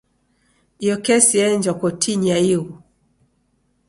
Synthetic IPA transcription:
jɔkɛsiɛɲd͡ʒɔkɔtʰiɲaiwu

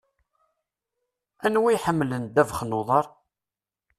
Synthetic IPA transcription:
ænwijħəmːlənd̪ævχnʊðˤɑɾˤ

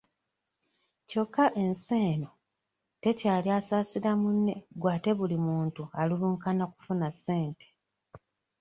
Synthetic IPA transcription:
co̞kːaʔe̞nse̞ːno̞ | te̞caːliasaːsiɾamunːe̞ɡwaːte̞βulimuːntualuluːŋkanaku̥funasːe̞ːnte̥

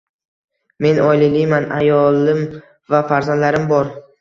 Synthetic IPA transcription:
me̞nʔɒjlɪlɪjmana̰jɒlˠɪm | vafaɾzand̪laɾɪmbɒɾ

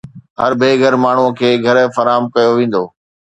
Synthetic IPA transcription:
ɦɐ̰ɾbʱeːɡʱəɾmaːɳ̤uəkʰeːɡʱɐɾfɐɾaːəmkɐjoʋẽːn̆d̪oː

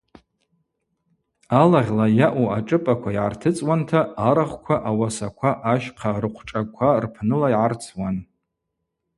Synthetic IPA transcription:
alaʁʲlajaʔuaʈ͡ʂʼɨpʼakʷʰaiʕa̰rtʰɨt͡sʼwantʰaaɾaχʷkʷʰaʔawasakʷʰaʔaʃqʰarɨqʷʰʈ͡ʂʼakʷʰarpʰnɨlajʕart͡sʰwan

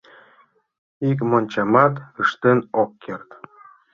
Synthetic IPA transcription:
ik̬monʲt͡ɕɑmɑt̪əʃt̪enokːert̪

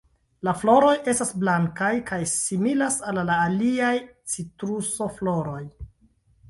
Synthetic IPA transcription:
laflo̞ɾo̞je̞stasblaŋkajkʰajsimilasalːaːliaj | t͡sitɾuso̞flo̞ɾo̞j

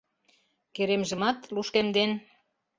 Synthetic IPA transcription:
keɾemʒə̆mɑt̪luʃkemd̪en

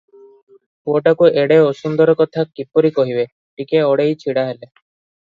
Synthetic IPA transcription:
poʈakueɽeosund̪ɔɾɔkɔt̪ʰakipɔɾikɔɦibe | ʈikeɔɽejt͡ʃʰiɽaɦele

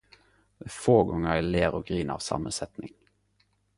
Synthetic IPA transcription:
d̪ɛfoːɡɔŋəʁæːleːʁoːɡʁiːnʔɑ̰ːʋsɑ̰ːmənsɛt̪nɪŋ

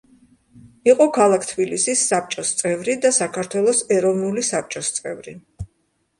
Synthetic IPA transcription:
iqʼɔkʰalˠakʰt̪ʰbilisisːap̚t͡ʃʼɔst̪sʼɛvɾid̪asakʰaɾt̪ʰwɛlˠɔsɛɾɔvnulisap̚t͡ʃʼɔst̪sʼɛvɾḭ

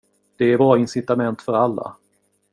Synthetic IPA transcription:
d̪̥ɛːɾbɑːɾaɪnsɪt̪amɛnt̪fœɾalːa̰

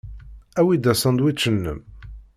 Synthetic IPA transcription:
æwid̪æsənd̪wit͡ʃːənːə̰m

